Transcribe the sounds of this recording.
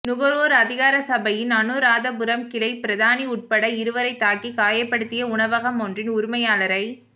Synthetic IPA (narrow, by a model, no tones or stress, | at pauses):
nʊɣɐɾoːɾɐðɪɣaːɾɐsɐbɐjɪnɐnɯɾaːðɐbʊɾɐmkɪlɐɪpɪɾɐðaːniʊʈ̚pɐɽɐɪɾɯʋɐɾɐɪt̪ːaːkːikaːjɐpːɐɽɯt̪ːɪjɐʊɳɐʋɐɣɐmɔndrɪnʊɾʊmɐjaːlɐɾɐɪ